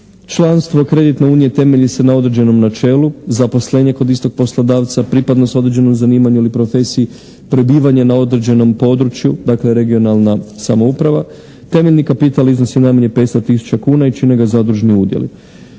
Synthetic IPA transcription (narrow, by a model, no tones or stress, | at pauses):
t͡ʃlˠanst̪ʋo̞kɾe̞d̪it̪ne̞uːnije̞t̪e̞me̞ʎisenao̞d̪ɾed͡ʑe̞no̞mnat͡ʃe̞ːluzapo̞sle̞ɲe̞ko̞d̪ist̪o̞ɡ̥̚po̞slˠod̪aːʋt̪sapɾipad̪no̞so̞d̪ɾed͡ʑeno̞mzaniːmaɲuilipɾo̞fe̞sii | pɾebiːʋaɲenao̞d̪ɾed͡ʑe̞no̞mpo̞d̪ɾut͡ʃjud̪akle̞ɾe̞ɡio̞nalˠnasamo̞upɾaʋa | t̪e̞me̞ʎʲnikapit̪alizno̞sjinajmaɲe̞peest̪at̪isu̥t͡ʃakuːnait͡ʃine̞ɡazad̪uʒniuːd̪jḛlḭ